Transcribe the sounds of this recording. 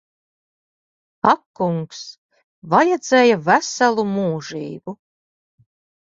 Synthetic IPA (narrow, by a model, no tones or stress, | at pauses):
akːuŋks | vajɛd̪zeːjavæsalˠumuːʒiːbu